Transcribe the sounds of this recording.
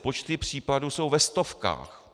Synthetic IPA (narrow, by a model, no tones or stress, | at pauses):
po̞t͡ʃt̪ɪpr̝̥iːpaduso̞wvɛst̪o̞fka̰ːx